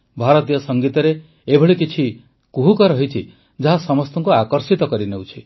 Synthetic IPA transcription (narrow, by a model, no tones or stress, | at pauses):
bʱaɾɔt̪ijɔsɔŋɡit̪ɔɾe | ebʱɔɭikit͡ʃʰi | kuɦukɔɾɔɦit͡ʃʰi | d͡ʒaɦasɔmɔst̪ʰɔŋkuakɔɾsit̪ɔkɔɾinewt͡ʃʰi